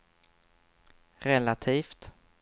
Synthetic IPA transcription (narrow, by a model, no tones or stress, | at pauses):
ɾɛlat̪ʰiːft̪